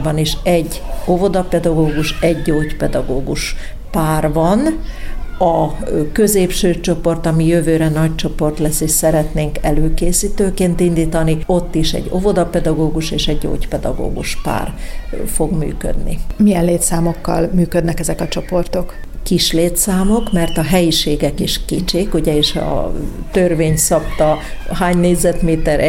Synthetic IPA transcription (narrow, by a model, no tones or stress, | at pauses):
bɒniʃɛɟːo̞vo̞d̪ɒpɛd̪ɒɡoːɡuʃɛɟːoːcpɛd̪ɒɡoːɡuʃ | paːrvɒn | ɒkøzeːpʃøːt͡ʃo̞po̞rt̪ɒmijøvøːɾɛnɒct͡ʃo̞po̞rt̪lɛsːeːʃsɛɾɛt̪neːŋkɛløːkeːsiːt̪øːkeːnt̪ind̪iːt̪ɒnio̞t̪ːiʃɛ̰ɟo̞vo̞d̪ɒpɛd̪ɒɡoːɡuʃeːʃɛɟːo̰ːcpɛd̪ɒ̰ɡo̰ːɡṵʃpa̰ːrfo̞ɡmy̰ːkø̰d̪nḭmijɛnleːt̪saːmo̞kːɒ̰lmyːkød̪nɛkɛzɛkɒt͡ʃo̞po̞rt̪o̞k | kiʃleːt̪saːmo̞kmɛrt̪ɒɦɛjiʃeːɡɛkiʃkit͡ʃeːkuɟɛeːʃɒ̰ | t̪ørveːɲsɒpt̪ɒhaːɲneːɟzɛt̪meːt̪ɛɾɛ